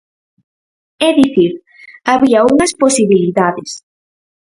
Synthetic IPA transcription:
ɛðiθiɾ | aβiɐuŋɐsposiβiliðaðɪs

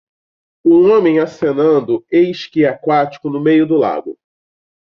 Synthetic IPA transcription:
ʊõmẽj̃asenɐ̃nd̪ʊejʃkiakwat͡ʃi̥kʊnʊmejʊd̪ʊla̰ɡ̪ʊ

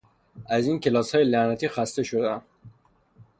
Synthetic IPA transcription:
æziːncʰe̞lɒːshɒːjelænæt̪ʰiːxæst̪e̞ʃod̪eæm

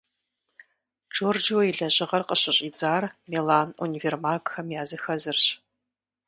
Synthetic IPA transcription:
d͡ʒoːrd͡ʒwɐiɮɐʑɪʁɐrqəɕɐɕʼiːd͡zaːrmelaːnṵniveːrmaːkxɐmjaːzɨxɐzɨrɕ

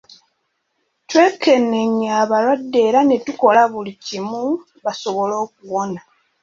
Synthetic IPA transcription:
twe̞kenːeɲːaːβalwadːe̞ːɾane̞tuko̞laβulicimu | βaso̞βo̞lo̞ːk̚uwo̞na

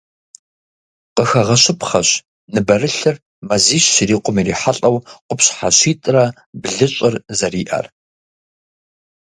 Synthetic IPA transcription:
qəxɐʁɐɕɪpχɐɕ | nɨbɐrɨɬɨr | mɐziːɕːɪɾiːqʷʊmiɾiːħaɬʼɐwqʷʊpɕħa̰ɕiːtʼrɐ | bɮɨɕʼɪrzɐriːʔɐ̰r

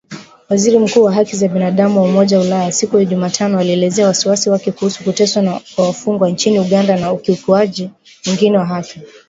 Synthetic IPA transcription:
waziɾim̩kuːwaɦakizaɓinaɗamuwaumɔʄaulajasikuhɛʄumatʰanɔaliɛlɛzɛawasiwasiwakɛkuhusu̥kutɛswakwawafuŋɡwant͡ʃiniuɠandanaukiukuaʄi | wɛŋɡinɛwaɦafja

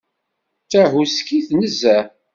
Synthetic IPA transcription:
t͡sæɦuskiθnəzːæ

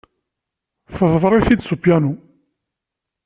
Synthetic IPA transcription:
θəðˤvɾˤɪθid̪supjænu

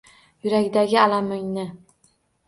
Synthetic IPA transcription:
jʊɾaɡʲd̪aɡʲɪalamʊŋnɪ

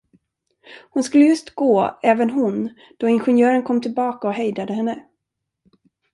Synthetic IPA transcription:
hʊnskɵlːəjɵst̪ɡoːɛːvənɦʊn | d̪̥ɔɪnɧɛnjœːɾənkʰɔmːt̪ʰɪlbɑːkaɔɦɛjd̪ad̪əhɛnːə

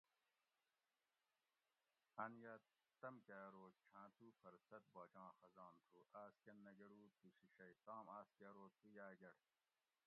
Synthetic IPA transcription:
ɐnjɐː | t̪ɐmkaːɾoːt̪t͡ʃʰãːt̪uːfɐɾsɐt̪̚bɐːd͡ʑãːxɐzɑːnt̪ʰuːʔaːskɐnːɐɡɐɽuːt̪usiɕɐit̪aːmaːskeːɾoːt̪ujaːɡɐɽ

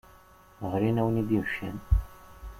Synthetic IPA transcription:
ʁɾinæwənid̪imʃæn

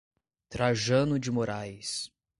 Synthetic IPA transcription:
t̪ɾaʒɐ̃nʊd͡ʒɪmoɾajs

